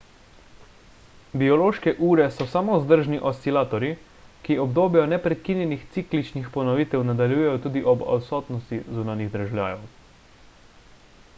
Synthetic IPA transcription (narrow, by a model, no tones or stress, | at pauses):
biɔloːʃkɛʔuːɾɛsɔsamozd̪əɾʒniʔɔst̪ilaːt̪ɔɾi | kiɔbd̪oːbjɛjɔnɛpɾɛt̪̚kinjɛnixt̪siklit͡ʃnixpɔnɔʋit̪ɛwnad̪aljuːjɛjɔt̪uːd̪iʔɔbɔ̰wsɔːt̪nɔst̪izunanjiɣd̪ɾaʒɛwljaːjɔw